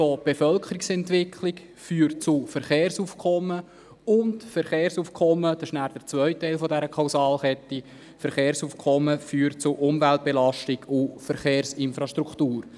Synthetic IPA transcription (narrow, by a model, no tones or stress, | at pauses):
fob̥efœlkʰəɾɪksɛntʋɪkʰlɪk | fyːɾtt͡sʊfəɾχeːɾsuːfkʰɔmːə | ʊntfəɾχeːɾsuːfkʰɔmːəd̥ɑʃnæːɾd̥əɾt͡sʋœʏtːɛɪlfɔdɛɾəkʰaʊsɑːlχɛtːi | fəɾχeːɾsuːfkʰɔməfyːɾtt͡sʊʔʊmvælt̚b̥ɛlɑʃtɪɡʊfəɾχeːɾsɪnfɾɑʃtɾuktuːɾ